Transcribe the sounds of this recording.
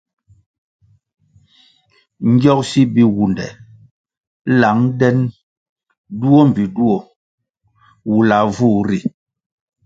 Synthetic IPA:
ŋ̩˦ɡjɔ˦k̚si˦bi˦wu˨ndɛ̰˨ | la˨˦ŋdɛ˦n | du˦o˦m˨vi˨du˦o˨ | wu˨la˨vu˦˨ɾi˨

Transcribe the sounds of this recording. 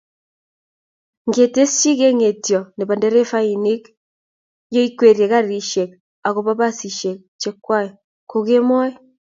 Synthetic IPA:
ŋɡe˨te˦st͡ʃi˦ɣe˦ŋe˨tjɔ˨ne˨ba˨ndɛ˦ɾe˦fa˦i˨ni˦k | jo˦i˦kwe˨ɾje˨ɣa˦ɾi˨ʃe˨k̚ | a˨ɣo˨βa˦ba˦si˨ʃe˨k̚t͡ʃɛ˦kwa˦jɔ˨ | ko˨ɣe˦mɔ˦ɛ˦

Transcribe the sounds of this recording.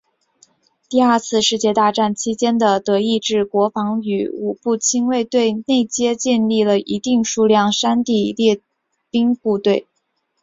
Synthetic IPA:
t̪i˥˧a˞˥˧t͡sʰɹ̩˥˧ʂɻ̩˥˧t͡ɕjɛ˥˧t̪a˥˧ʈ͡ʂa˥˩nt͡ɕʰi˥t͡ɕjɛ˥nd̪ə˨t̪ɤ˧˥i˥˧ʈ͡ʂɻ̩˥˩kwɔ˧˥fɑ˧˥ŋy˧˥˩u˨˩pu˥˩t͡ɕʰi˥ŋwe˥˧ɪt̪we˥˧ɪne˥˩ɪt͡ɕjɛ˥t͡ɕɛ˥˧nli˥˩lə˩ʔi˧˥t̪i˥˧ŋʂu˥˧ljɑ˥˩ŋʂa˥nt̪i˥˧ljɛ˥˧ | pi˥ŋpu˥˧t̪we˥˩ɪ

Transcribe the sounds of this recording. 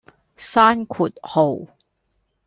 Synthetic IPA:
saː˥nkʰuː˨˩t̚ho˨˩w

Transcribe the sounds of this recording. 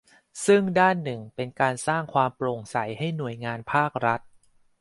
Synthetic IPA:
sɯ˥˩ŋdaː˥˩nːɯ˨˩ŋpe˧nkaː˧nsaː˥˩ŋkʰwaː˧mpɾo˨˩ŋsa˩˦jɦa˥˩jnu˨˩əjŋaː˧npʰaː˥˩k̚ɾa˦˥t̪̚

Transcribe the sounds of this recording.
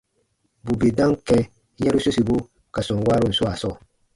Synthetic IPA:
bu˨be˨dã˦ŋkɛ˦ | jɛ˦ɾu˦so˦si˨bo˦ | ka˨sʊ̃˨ŋ˨waː˦ɾʊ˦n̩˨sʊ˦a˨sɔ˦˨

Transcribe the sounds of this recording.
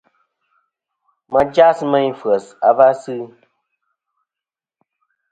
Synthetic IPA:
mə˨d͡ʒa˦smə˦ɲ˦fə˨sa˨va˦sɨ˦

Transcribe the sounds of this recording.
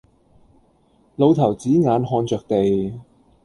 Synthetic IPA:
lo˨˧wt̪ʰɐ˨˩wt͡siː˨˥ŋaː˨˧nɦɔː˧nt͡ʃœː˨k̚t̪e˨j

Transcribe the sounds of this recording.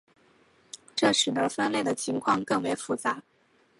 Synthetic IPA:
ʈ͡ʂɤ˥˩ʂɻ̩˨˩d̪ə˧˥fə˥nle˥˩d̪ə˩t͡ɕʰi˧˥ŋkʰwɑ˥˧ŋkɤ˥˩ŋwe˧˥ɪfu˧˥t͡sa˧˥

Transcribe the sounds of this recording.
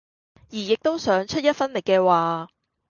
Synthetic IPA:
jiː˨˩jɪ˨k̚t̪o˥wsœː˨˥ŋt͡ʃʰɵ˥t̚jɐ˥t̚fɐ˥nlɪ˨kːɛː˧waː˨˩

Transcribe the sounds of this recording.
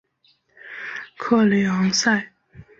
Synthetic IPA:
kʰɤ˥˨le˨˩ɑ˧˥ŋsa˥˩ɪ

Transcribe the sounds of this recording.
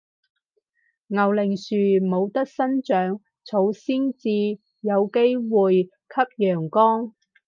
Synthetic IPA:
ŋɐ˨˩wlɪ˨˩ŋsyː˨˩mo˨˧wt̪ɐ˥k̚sɐ˥nt͡ʃœː˨˥ŋ | t͡sʰo˨˧wsiː˥nt͡siː˧ | jɐ˨˧wke˥jwuː˨j | kʰɐ˥p̚jœː˨˩ŋkɔː˥ŋ

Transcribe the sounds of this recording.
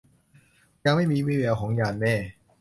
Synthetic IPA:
ja˧ŋma˥˩jmiː˧wiː˥˩wɛː˨˥wkʰɔː˨˩˦ŋjaː˧˩nnɛː˥˩

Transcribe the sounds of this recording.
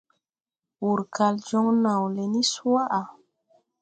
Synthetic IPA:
wu˨ɾkʰa˨ld͡ʒɔ˦ŋna˨wle˨ni˦su˦a˦ʔa˨

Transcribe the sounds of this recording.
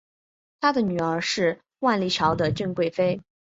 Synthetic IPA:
t̪ʰa˥d̪ə˨ny˨˩ə˞˧˥ʂɻ̩˥˧ | wa˥˧nli˥˩t͡ɕʰjɑ˧˥ʊd̪ə˧t͡ɕy˥˧ŋkwe˥˩ɪfe˥ɪ

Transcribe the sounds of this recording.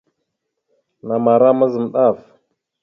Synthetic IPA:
na˨ma˨ɾa˦ma˦zə˨m˨ɗa˦˨f

